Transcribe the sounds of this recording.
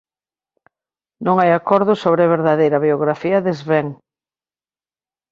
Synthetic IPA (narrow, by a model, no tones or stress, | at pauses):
nõŋajakɔɾðʊsoβɾɪβ̞eɾðaðejɾɐβioɣɾafiɐðezβɛŋ